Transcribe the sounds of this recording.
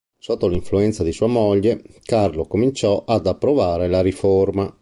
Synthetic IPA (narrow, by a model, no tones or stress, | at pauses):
sot̪ːoliɱfluɛnt̪sad̪isuːamoʎːekarlokomint͡ʃɔʔad̪apːɾovaːɾelaɾiforma